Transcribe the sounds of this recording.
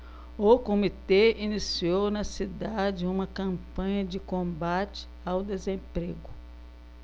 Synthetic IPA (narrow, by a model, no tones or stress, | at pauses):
ʊkomit̪einisiownɐsid̪ad͡ʒɪũmɐkɐ̃mpɐ̃ɲɐd͡ʒɪkõbat͡ʃɪ̥ | awd̪ezẽpɾeɡʊ